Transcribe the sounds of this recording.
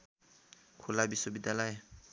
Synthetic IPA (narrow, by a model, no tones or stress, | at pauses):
kʰulabisobidalɔj